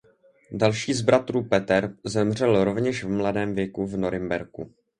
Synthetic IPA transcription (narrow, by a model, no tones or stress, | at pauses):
dalʃiːzbɾʔat̪ɾuːpɛt̪ɛɾzɛmr̝ɛlɾo̞vɲɛʃvmladɛːmvjɛkuvno̞ɾɪmbɛɾkṵ